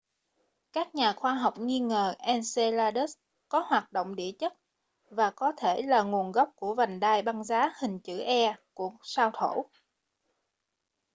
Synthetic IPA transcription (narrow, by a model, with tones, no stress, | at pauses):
kaː˦˥k̚ɲaː˨˩xwaː˧ɦa˨˩wk͡p̚ŋi˧ŋəː˨˩ʔɛ˧nse˧laː˧ɗə˦˥s | kɔ˨˦hwaː˨˩t̚ɗo̰˧˨ŋ͡mɗi˧˩ət͡ɕə˦˥t̚ | vaː˨˩kɔ˨˦t̪ʰe˧˩laː˨˩ŋu˨˩ənɣa˦˥wk͡p̚ku˧˩əva˨˩ŋ̟ɗaː˧˩jɓa˧ŋzaː˨˦hï˨˩ŋ̟t͡ɕɨ̰˧˩ʔɛ˧ku˧˩əsaː˧wt̪ʰo˧˩˨